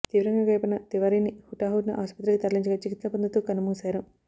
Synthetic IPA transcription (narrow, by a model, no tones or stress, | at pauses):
t̪iːʋɐɾɐŋɡaːɡɐjpɐnɐt̪iʋɐɾiːnihuʈaːɦuːɖnɐ̰ʔaːʃpɐt̪ɾikit̪ɐɾliɲt͡ʃɐɡat͡ʃikit̪sɐpɐnd̪ut̪uːkɐnɐmuːsaːɾu